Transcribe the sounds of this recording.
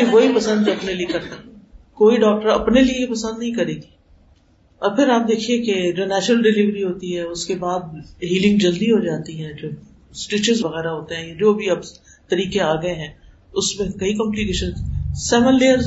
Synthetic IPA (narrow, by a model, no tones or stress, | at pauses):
iʋoipɐsə̃nd̪ɐpneliekɐɾt̪akoːiɖɔːk̚ʈəɾɐ̰pneliejepɐsə̃nd̪nɐɦĩkɐɾeːɡi | ɔːɾpʰɪɾaːp̚d̪eːkʰieked͡ʒoːnɛːʃnəlɖɪliʋɾiɦoːt̪iɦɛʊskebaːd̪̚ɦiːlɪ̃ŋɡd͡ʒɐld̪iɦod͡ʒaːt̪iɦɛ̃ːd͡ʒoː | sʈiːt͡ʃɪzʋɐɣɛːɾaɦoːt̪eɦɛ̃ːjad͡ʒoːbʱiɐb | t̪ɐɾiːkeaːɡɐeɦɛ̃ː | ʊsmẽkɐikɔ̃mplikeːʃə̃nzsɛːmənleːəɾ